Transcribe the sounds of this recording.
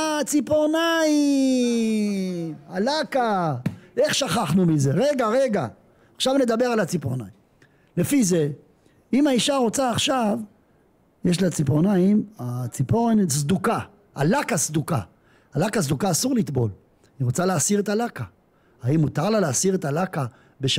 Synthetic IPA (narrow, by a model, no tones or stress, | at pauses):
t͡sipoʁnai | alaka | e̞χʃaχaχnumize̞ʁeɡaʁe̞ɡaː | χʃavne̞d̪abe̞ʁalat͡sipoʁna̰im | le̞fize̞ | imaiʃaʁo̞t͡saːχʃav | jeʃlat͡siponaimat͡siponsd̪uka | a̰lakasd̪uka | alakaz̬d̪ukaːsuʁlit̪bo̞̰l | iʁo̞t͡saleasiʁet̪alaka | aimːut̪aʁlaleasiʁet̪alaka | beʃ